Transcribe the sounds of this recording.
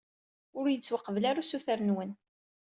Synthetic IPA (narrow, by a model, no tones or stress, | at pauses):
ʊɾjət͡sːwəqːəvlaɾasuθəɾənwən